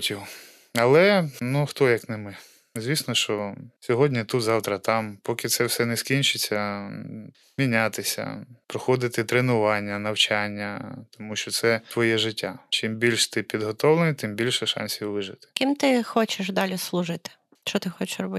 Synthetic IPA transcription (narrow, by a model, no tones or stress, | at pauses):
tʲiw | ɐlˠɛnuxt̪ɔjɐknɪmɪ | zʲʋʲisnɔʃt͡ʃɔsʲɔɦɔdʲnʲit̪ut̪zɑwt̪ɾɐt̪ɑmpɔkɪt̪sɛwsɛnɛskʲinʲt͡ʃɪt͡sʲːɐ | mʲinʲat̪ɪsʲɐ̰pɾɔxɔd̪ɪt̪ɪt̪ɾenʊʋɑnʲːɐnɐwt͡ʃanʲːɐt̪ɔmuʃt͡ʃɔt̪sɛt̪ʋɔjɛʒɪtʲːat͡ʃɪmbʲilʲʃt̪ɪpʲid̪ɦɔt̪ɔwlˠenɪt̪ɪmbʲilʲʃɛʃɑ̰nʲsʲiwʋɪʒɪt̪ɪ̥kʲimt̪ɪxɔt͡ʃɪʃd̪ɑlʲɪslˠʊʐɪt̪ɪ̥ | ʃt͡ʃɔt̪ɪxɔt͡ʃɪ̥ʃrɔbɪ